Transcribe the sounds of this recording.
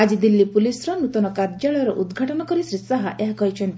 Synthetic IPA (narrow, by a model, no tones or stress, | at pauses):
ad͡ʒid̪ilːipulisɾɔnut̪ɔnɔkaɾd͡ʒaɭɔjɔɾɔʔud̪ɡʱaʈɔnɔkɔɾisɾisaɦaʔeɦakɔɦit͡ʃʰɔnt̪i